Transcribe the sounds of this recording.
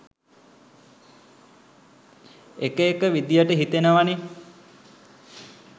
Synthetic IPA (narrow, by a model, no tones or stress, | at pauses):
ekəekəʋid̪jəʈəɦit̪enəʋane